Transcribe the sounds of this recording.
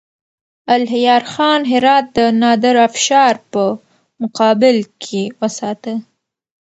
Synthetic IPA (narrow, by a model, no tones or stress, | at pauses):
alɦɪjɑɾxɑnɦɪɾɑt̪̚d̪ənɑd̪ɪɾafʃɑɾpə | mʊqɑbɪlkʰewəsɑt̪ə